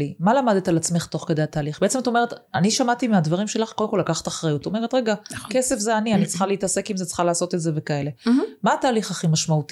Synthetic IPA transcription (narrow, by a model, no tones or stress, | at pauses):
imalamad̪et̪alat͡smeχt̪o̞χke̞d̪ejat̪aːliχbeet͡sematome̞et̪aniʃamat̪imead̪vaʁimʃe̞laχkod̪emko̞lakaχḁtaχʁajut̪omee̞t̪ʁeɡake̞se̞fzeanianit͡sχaleitase̞kimzet͡sχalaːso̞t̪etze̞ve̞kae̞le̞maːt̪aːliχaχimaʃmaut̪i